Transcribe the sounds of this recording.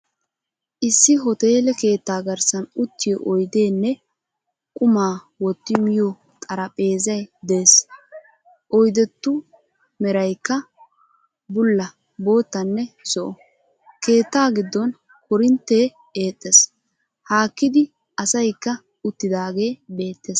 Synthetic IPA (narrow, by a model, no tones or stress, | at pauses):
ʔɪsːɪɦɔt̪e̞ːlɛke̞ːt̪ːaːɡɐɾsɐnʊt̪ːɪjɔʔɔjd̪e̞ːnːɛ | kʼʊmaː | wɔt̪ːɪmɪjɔ | t̪ʼɐɾɐpʼe̞ːzɐjd̪e̞ːs | ʔɔjd̪ɛt̪ːʊ | mɛɾɐjkːɐ | bʊlːɐ | bo̞ːt̪ːɐnːɛsɔʔɔ | ke̞ːt̪ːaːɡɪd̪ːɔn | hɔɾɪnt̪ːeː | eːt̪ʼːes | haːkːɪd̪ɪ | ɐsɐjkːɐ | ʊt̪ːɪd̪aːɡe̞ːbe̞ːt̪ːes